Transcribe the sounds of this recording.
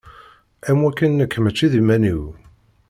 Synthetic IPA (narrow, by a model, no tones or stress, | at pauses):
æmwækːənːəkʰːmət͡ʃːiðimæniw